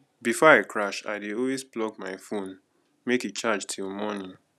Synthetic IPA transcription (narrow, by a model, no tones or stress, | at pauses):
bifɔaɪkʰɹaʃa̰ɪdeɔlwezplɔɡ̚maɪfõn | meket͡ʃad͡ʒtʰilmɔnĩn